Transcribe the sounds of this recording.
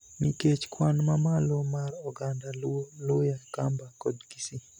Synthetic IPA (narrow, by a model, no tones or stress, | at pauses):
miket͡ʃkwanmamalomarɔɡandallʊjakambakɔdɡisi